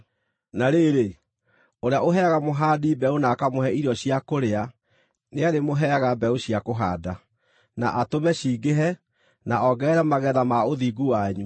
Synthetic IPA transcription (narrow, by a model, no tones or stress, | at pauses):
naɾeɾe | oɾeaʔoɦɛɣamoɦaːdibɛonakamohɛiɾɔɕijakoɾea | neaɾemoɦɛaɣabɛoɕiakoɦa̰ːda | naʔatomɛɕiːɡeɦɛ | naɔɡɛːɾamaɣɛðamaoðiɡuwaɲu